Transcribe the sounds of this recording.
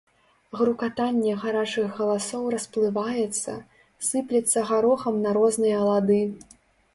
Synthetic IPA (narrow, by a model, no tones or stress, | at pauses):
ɣɾukat̪anʲːɛɣaɾat͡ʂɨɣɣɐlˠasɔwrɐsplˠɨvajɛt̪sːɐ̰ | sɨplʲɛt̪sːɐɣaɾɔxɐmnɐɾɔznɨjɐːlˠad̪ɨ